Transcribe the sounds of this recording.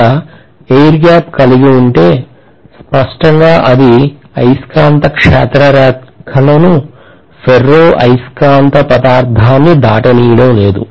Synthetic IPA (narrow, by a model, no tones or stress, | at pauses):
ɐ | ejɾɡaːpkɐliɡiuɳʈe̞ː | spɐʂʈɐŋɡaːʔɐd̪i | ɐjskaːnt̪ɐkʂɛːt̪ɾɐɾaːt̪kʰɐlɐnu | pʰerːoːʔɐjskaːnt̪ɐpɐd̪aːɾd̪ʱaːnːid̪ʱaːʈɐniːjɐɽɐmle̞ːd̪u